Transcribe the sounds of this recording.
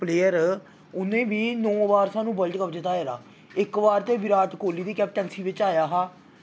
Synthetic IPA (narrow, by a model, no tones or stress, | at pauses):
pleːəɾ | ʊnẽːʋiːnɔ̃ːʋaːɾsãːnũːbəlʈkəpd͡ʒ̪ɪt̪ːaːɦɛːɾa̰ː | ɪkʋaːɾt̪eːʋɪɾaːʈkoːliːd̪iːkɛːp̚ʈɛːnsiːʋɪt͡ʃaːjaːɦaː